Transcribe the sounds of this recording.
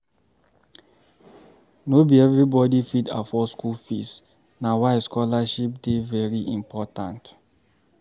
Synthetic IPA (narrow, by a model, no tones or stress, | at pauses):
nobiɛvɹibɔdifitafɔskulfis | nawaɪskɔlaʃip̚devɛɹiʔĩmpʰɔtã̰nt